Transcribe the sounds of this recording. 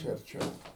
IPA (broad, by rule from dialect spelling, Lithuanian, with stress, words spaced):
ˈt͡ʃʲɛ ɐrʲˈt͡ʃʲɛʊ